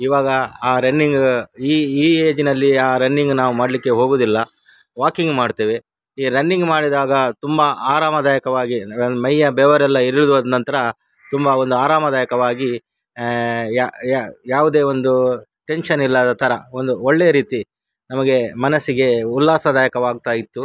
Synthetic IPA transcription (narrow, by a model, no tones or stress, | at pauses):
iːʋaːɡɐaːɾɐnːiŋɡiːiːeːd͡ʒinɐlːiaːɾɐnːiŋɡnaːʋumaːɽlikːe̞ɦo̞ːɡoːd̪ilːɐ | ʋaːkiŋɡmaːɖt̪eːʋe̞ | iːɾɐnːiŋɡmaːɽid̪aːɡɐt̪umbɐaːɾaːmɐd̪aːjɐkɐʋaːɡimɐjːɐbɛːʋɐɾɛlːɐiɾiɭud̪ʋɐd̪nɐnt̪ɐɾɐ | t̪umbɐo̞nd̪uaːɾaːmɐd̪aːjɐkɐʋaːɡi | ajaːʋwud̪e̞ːo̞nd̪uʈe̞nʃɐnilːɐd̪ɐt̪ʰɐɾɐo̞nd̪uoɭːejɐɾiːt̪i | nɐmɐɡe̞mɐnɐsːiɡe̞ulːaːsɐd̪aːjɐkɐʋaːɡ̚t̪aːjit̪ːu